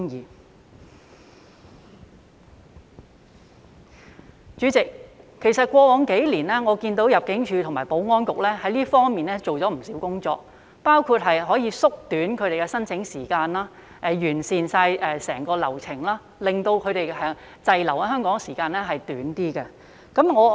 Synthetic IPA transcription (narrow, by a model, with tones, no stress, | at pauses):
ŋjiː˨˩ | t͡ʃyː˨˧˥t͡sɪ˨k̚ʰːe˨˩jsɐ˨t̚kʷwɔː˧wɔː˨˧ŋke˨˥jliː˨˩nlɛ˥ŋɔː˨˧kiː˧nt̪o˨˥wjɐ˨p̚kɪ˨˥ŋt͡ʃʰyː˨˧t̪ʰʊ˨˩ŋmaː˨˩jpo˨˥wŋɔː˥nkʊ˨k̚lɛː˥hɐ˨˥jliː˥fɔː˥ŋmiː˨nɛː˥t͡so˨wt͡sɔː˨˥m̩˨˩siː˨˥wkʊ˥ŋt͡ʃɔ̰ː˨k̚ | paː˥wkʰuː˧t̚ɦɐ˨jɦɔː˨˥jiː˧sʊ˥k̚t̪yː˨˥nkʰɵ˨˧ɥt̪e˨jkɛː˧sɐ˥nt͡sʰɪ˨˧˥ŋsiː˨˩kaː˧nlaː˥ | ʔɛ˨˧jyː˨˩nsiː˨˩nsaː˧jɛ˨˧sɛː˨˩ŋkɔː˧lɐ̰˨˩wt͡sʰɪ˨˩ŋlaː˥ | lɪ˨ŋt̪o˧wkʰɵ˨˧ɥɾe˨jhœː˨˥ŋ | t͡sɐ˨jlɐ˨˩wa˧ɦœː˥ŋkɔː˨˥ŋsiː˨˩kaː˧nɛː˥ɦɐ˨jt̪yː˨˥nt̪iː˥kɛ˧ | kɐ˨˥mŋɔː˨˧